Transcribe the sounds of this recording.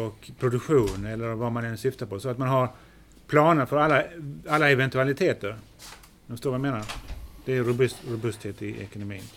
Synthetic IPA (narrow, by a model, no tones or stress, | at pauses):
ɔkpʰɾʊd̪ɵkɧuːnɛlːəɾvamanɛnsʏft̪apɔsɔat̪manɦaɾ | pʰlɑːnəɾfœɾalːaalːaɛvɛnt̪alɪt̪ʰeːt̪əɾ | ɛfəst̪oːɾvajameːnaɾd̪̥ɛæɾʊbɵt̪ɾʊbɵst̪heːt̪ɪʔɛ̰kʊnʊmḭːn